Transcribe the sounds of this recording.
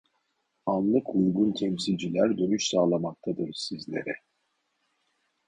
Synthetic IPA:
anlˠɯkʰujɡunt̪ʰɛmsilʲd͡ʒilʲæɾd̪ø̞nyʃsaːlˠamak̚t̪ʰad̪ɯɾsizlʲe̞̰ɾɛ

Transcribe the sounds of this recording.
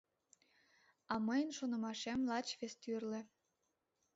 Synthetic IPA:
ɑməjənʃonə̆mɑʃemlɑt͡ɕβest̪yrlĕ

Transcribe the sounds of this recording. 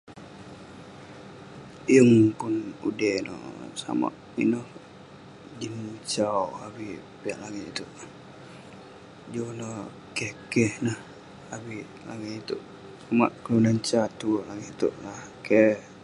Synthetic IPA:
jəŋpunudɛnɔ̰sa̰ma̰ʔ | ḭnɔh | d͡ʒimt͡ʃawawi | piaʔlaŋit̪it̪uʔ | d͡ʒonəh | kɛhkɛhnəh | awi | la̰ŋiit̪uʔ | samaʔkəlunant͡ʃat̪ulaŋit̪uʔlahkɛ

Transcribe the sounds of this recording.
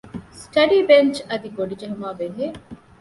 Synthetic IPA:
sʈɐɖiːbent͡ʃɐd̪iɡoɖid͡ʒeɦumaːbeɦeː

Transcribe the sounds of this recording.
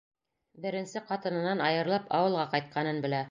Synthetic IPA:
bɘ̆ɾɘ̆nsɘqɑt̪ɤ̆nɤ̆nɑnɑjɤ̆ɾlˠɑpɑwɤ̆lˠʁɑqɑjt̪̚qʰɑnɤnbɘ̆læ

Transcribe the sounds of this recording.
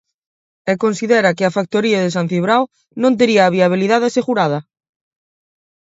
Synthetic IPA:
ɛkonsiðɛɾɐkɪafak̚t̪oɾiɐðɪs̬an̟θiβɾaw | nõnt̪eɾiaːβ̞iaβ̞iliðaðaseɣuɾað̞ɐ

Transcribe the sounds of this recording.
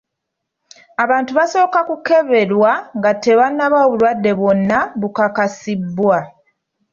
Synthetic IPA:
aβaːntuβaso̞ːkakuke̞βe̞lwaŋɡatːe̞βanːaβaːβulwadːe̞βwo̞nːaβukakasibːwa

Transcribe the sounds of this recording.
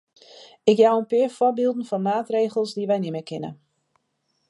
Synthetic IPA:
ɪkjawənpɪəɹfɔbiːlˠdn̩fɔnmaːtreːɣəlˠsdiʋɛjnɪməkɪnə̰

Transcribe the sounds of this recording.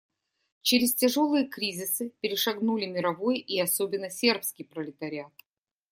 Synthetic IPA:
t͡ɕeɾʲɪstʲɪʐo̞lˠɨjəkɾʲizʲɪsɨpʲɪɾʲɪʂɐɡnulʲɪmʲɪɾɐvojiɐsobʲɪnːəsʲe̞rpskʲijpɾəlʲɪt̪ɐɾʲɪat̪̚

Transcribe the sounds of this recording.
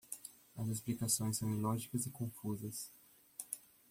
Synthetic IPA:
ɐzesplikasõj̃sːɐ̃w̃ĩlɔʒikɐzɪkõfuzɐs

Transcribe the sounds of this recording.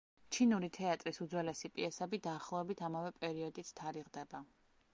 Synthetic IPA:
t͡ʃʰinuɾit̪ʰɛat̪ʼɾisud̪zwɛlɛsipʼiɛsɛbid̪aːχlˠɔɛbit̪ʰamavɛpʼɛɾiɔd̪it̪sʰt̪ʰaɾiʁd̪ɛba

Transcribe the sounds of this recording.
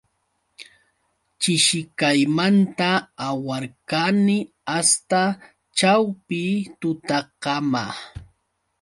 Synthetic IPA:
t͡ʃɪʃɪkajmant̪aːwaɾkanɪ | ast̪a | t͡ʃawpɪt̪ʊt̪ɑqɑma

